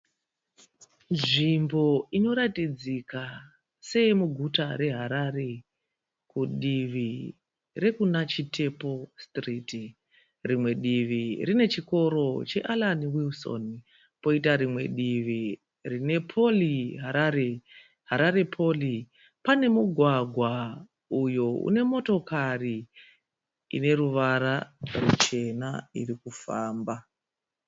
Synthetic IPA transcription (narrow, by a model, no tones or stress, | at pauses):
nʐimbo̞ino̞ɾatid͡zika | se̞muɡʱutaɾe̞ɦaɾare̞ | kuɗiʋi | re̞kunat͡ʃitʰe̞po̞striːti | rimwe̞ɗiʋirine̞t͡ʃiko̞ɾo̞t͡ʃe̞̰ʔalaniwilso̰n | po̞itaɾimwe̞ɗiʋi | rine̞pʰoliɦaɾaɾe | ɦaɾaɾe̞pʰo̞li | pane̞muɡʱwaɡʱwa | ujoṵne̞mo̞to̞kari | ḭne̞ɾuʋaɾarut͡ʃe̞nairikufaːmba